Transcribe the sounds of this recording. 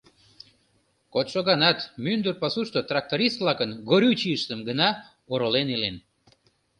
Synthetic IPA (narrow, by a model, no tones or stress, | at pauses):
kot̪ʃoɣɑnɑt̪mynd̪ərpɑsuʃt̪ot̪rɑk̚t̪oɾist̪vlɑkənɡoɾʲut͡ɕiəʃt̪əmɡənɑ | oɾolenilen